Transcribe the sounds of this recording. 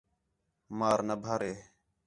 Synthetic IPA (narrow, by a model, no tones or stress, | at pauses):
maːɾnəbʱaːɾeː